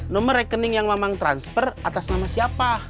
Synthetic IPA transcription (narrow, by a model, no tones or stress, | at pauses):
nɔməɾɛkənɪŋjaŋmamaŋt̪ɾanspərat̪asnamasiapa